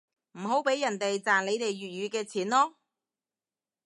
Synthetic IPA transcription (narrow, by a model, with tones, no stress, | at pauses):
m̩˨˩ɦo˨˥wpe˨˥jːɐ˨˩nt̪e˨jt͡saː˨˩nle˨˧jt̪e˨jɥyː˨t̚jyː˨˧kɛː˧t͡sʰiː˨˥nlɔː˥